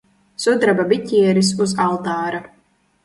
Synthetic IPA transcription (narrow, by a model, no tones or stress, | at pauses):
sud̪ɾababit̪ʲiɛɾis̬uzalˠt̪aːɾa